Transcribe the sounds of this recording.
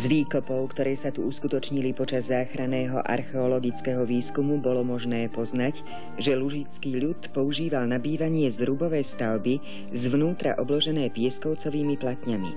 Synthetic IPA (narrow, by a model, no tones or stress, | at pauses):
zʋiːkɔpɔʊkt̪ɔɾɛːsat̪uuskut̪ɔt͡ʃɲilipɔt͡ʃazːaːxɾanɛːɦɔ̰ʔa̰ɾxɛɔlɔɡit͡skɛɦɔʋiːskumubɔlɔmɔʒnɛːpɔznac | ʒɛluʒit͡skiːʎut̪pɔuʒiːʋalnabiːʋaɲɪɛzɾubɔʋɛjst̪aʊbi | zʋnuːt̪ɾa̰ʔɔblɔʒɛnɛːpɪɛskɔʊt͡sɔʋiːmiplat̪ɲamḭ